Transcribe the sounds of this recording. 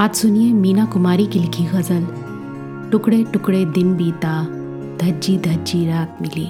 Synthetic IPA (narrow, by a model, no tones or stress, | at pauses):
aːd͡ʒsʊnijẽmiːnakʊmaːɾikilɪkʰiɣɐzəl | ʈʊkɽeʈʊkɽed̪ɪnbiːt̪a | d̪ʱɐd͡ʒid̪ʱɐd͡ʒiɾaːk̚mɪlḭː